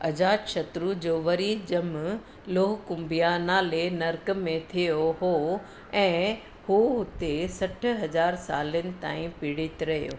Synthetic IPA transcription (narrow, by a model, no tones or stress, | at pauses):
ɐd͡ʑaːt̪ʃɐt̪ɾud͡ʑoːʋɐɾid͡ʑɐm | loːɦkʊ̃mbijanaːlenɐɾk̆mẽt̪ʰijoɦo | ɛ̃ː | huɦʊt̪esɐʈ̆ʰɦɐd͡ʑaːɾsaːlənɪ̆t̪a̰ːĩpɪɽɪt̪ɪɾɐɦijo̰ː